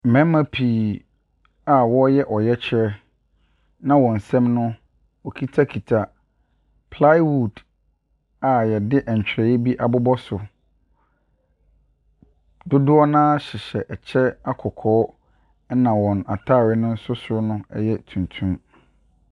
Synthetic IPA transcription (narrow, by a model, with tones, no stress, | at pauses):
m̩˨mɛ̃˦mã˦pʰiː˨ | a˨wɔ˦jɛ˦ʔɔ˨jɛ˦t͡ɕʰɛ˦ | nã˦wɔ̃˨n̩˨sɛ̃˦mnʊ̃˦ | ɔ˨kʰi˦tʰa˦kʰi˨tʰa˨ | pʰla˦ɪ˦wu˦˨d | a˨jɛ˨dɪ˦ʔɛ˨ɲ˨t͡ɕᶣɾɛ˨jɛ˦bi˦ʔa˨bʊ˦bɔ˦sʊ˨ | dʊ˦dʊ˦ɔ˦nãː˦ɕɪ˨ɕɛ˨ʔɛ˨t͡ɕʰɛ˦a˦kʰɔ˨kʰɔː˦ | nã˨wɔ̃˨na˨tʰaː˦˨ɾɪ˦nʊ̃˦n̩˦sʊ˦sʊ˦nʊ̃˦ɛ˦jɛ˦tʰũ˨ntʰũ˦m